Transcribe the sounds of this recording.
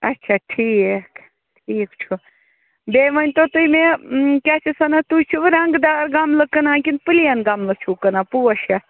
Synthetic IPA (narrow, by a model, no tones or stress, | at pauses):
ɐtːʃʰaʈʰiːk | ʈʰiːkt͡ʃʰu | beʋɐnʲt̪ot̪ujmẽkʲat͡ʃʰisɐnɐt̪ut͡ʃʰuʋɨɾɐŋɡd̪aːɾɡamləkɐnãːkʲinpɨlijanɡamlɐt͡ʃʰukɐnapuɐʃɐ